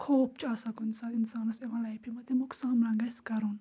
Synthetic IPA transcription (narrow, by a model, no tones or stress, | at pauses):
kʰoːp̚t͡ʃɐlsɐkunsɐinsaːnɐseʋãlɐjpʰimɐt̪imuksaːmlãŋɡɐskɐɾun